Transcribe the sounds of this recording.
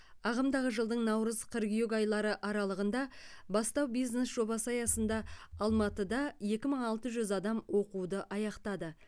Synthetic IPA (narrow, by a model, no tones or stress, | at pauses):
ɑʁəmd̪ɑʁəʒəlˠd̪əɴnɑwɾəzqʰəɾɡʲjoɡɑjlˠɑɾəʔɑɾɑlˠəʁənd̪ɑbɑst̪ɑwbijzne̞sʒ̥o̞bɑsəɑjɑsənd̪ɑɑlˠmɑt̪əd̪ɑje̞kʲɪməɴɑlˠt̪əʒʏzɑd̪ɑmwo̞qud̪əʔɑjɑqt̪ɑd̪ə